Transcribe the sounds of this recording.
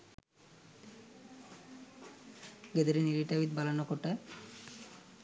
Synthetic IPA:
ɡed̪eɾiniɾiʈabit̪̚balanokoʈe

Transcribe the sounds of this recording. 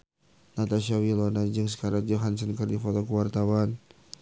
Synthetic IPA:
nat̪aʃawilɔnad͡ʒəŋs̬ə̥kaɾaŋd͡ʒɔɦansənkərdifɔt̪ɔkəwart̪awan

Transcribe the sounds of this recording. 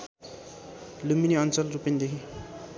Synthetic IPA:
luminiʌnt͡sʌlrupind̪eɦʰi

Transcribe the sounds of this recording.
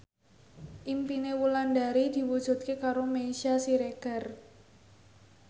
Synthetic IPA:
ʔimpinewulandaɾid̪̥i̤wud̥ʒ̥ṳt̪̚kekaɾomesiasiɾeɡ̥a̤r

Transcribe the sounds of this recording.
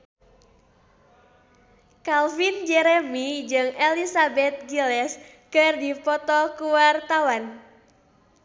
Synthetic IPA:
kalfind͡ʒɛɾemid͡ʒɨŋelisabɛt̪̚ɡilɛs | kɨrdipɔt̪ɔkuwart̪awan

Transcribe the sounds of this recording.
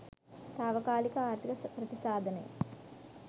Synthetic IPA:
t̪aːʋɐkaːlikɐaːɾt̪ʰikɐpɾɐt̪isaːd̪ʱɐnḛj̰

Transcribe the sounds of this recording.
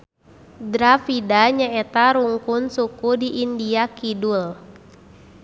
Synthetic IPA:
dɾafidaɲaɛt̪aɾuŋkunsukudiʔindiakidul

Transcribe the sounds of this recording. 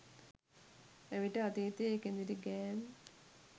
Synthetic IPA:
eʋiʈːɨɐt̪it̪ːekːend̪iɾiɡeːm

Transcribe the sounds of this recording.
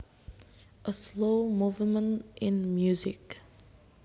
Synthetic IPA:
ʔəsloːmuːvmə̃ntʔɪ̃nmjuzɪk

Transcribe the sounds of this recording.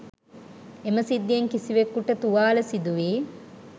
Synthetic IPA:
emɐsid̪ːieŋkisiʋekːuʈət̪uʋaːlɐsid̪uʋiː

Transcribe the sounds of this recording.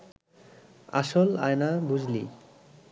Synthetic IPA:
a̰ʃola̰jnabud͡ʑʱlḭ

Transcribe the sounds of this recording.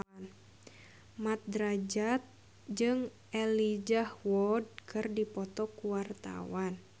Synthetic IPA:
mat̪̚dɾad͡ʒat̪̚ | d͡ʒɨŋ | ɛlid͡ʒahwɔd̚kʰɨrdipɔt̪ɔkuwart̪a̰wan

